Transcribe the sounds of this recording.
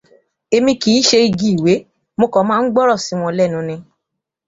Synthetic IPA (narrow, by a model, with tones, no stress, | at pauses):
e˧mĩ˧ki˨˦ʃe˧i˧ɡi˦i˨we˨˦ | mo˧kɔ̃˨˦mãː˦n̩˦ɡ͡bɔ˦ɾɔ˦˨si˨˦w̃ɔ̃˧lɛ˦˨nũ˨˦nĩ˧